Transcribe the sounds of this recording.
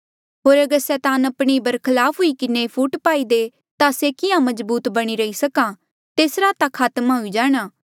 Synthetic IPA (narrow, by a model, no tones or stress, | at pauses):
ɦoːɾɐɡəɾsɛːt̪aːnɐpɽ̃ibɐɾkʰɐlaːpʰɦʊikɪnepʰuːʈpaːid̪e | t̪asekɪãmɐzbuːt̪bɐɽ̃iɾɐisɐkã | t̪eːsɾat̪akʰaːt̪maɦʊid͡ʒaːɽ̃aː